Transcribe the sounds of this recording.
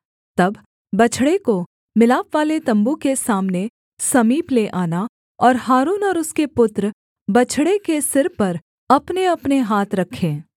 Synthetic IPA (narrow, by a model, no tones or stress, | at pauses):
t̪ɐb | bɐt͡ʃʰɽeko | mɪlaːpʋaːlet̪ɐ̃mbukesaːmne | sɐmiːpleʔaːna | ɔːɾɦaːɾuːnɔːɾʊskepʊt̪ɾ | bɐt͡ʃʰɽekesɪɾpɐɾ | ɐpneɐpneɦaːt̪ɾɐkʰːẽː